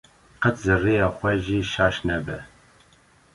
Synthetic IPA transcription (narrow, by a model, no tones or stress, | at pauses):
qət̪zɨrejɑːxʷɛʒiːʃɑːʃnɛbɛ